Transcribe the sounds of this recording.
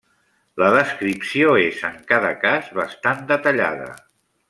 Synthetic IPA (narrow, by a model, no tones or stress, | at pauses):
ləðəskɾipsioezəŋkaðəkazβəst̪and̪ət̪əʎa̰ðə̰